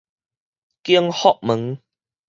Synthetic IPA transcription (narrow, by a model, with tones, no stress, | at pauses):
ki˦əŋhɔ˦˨ʔ̚mə˨˦ŋ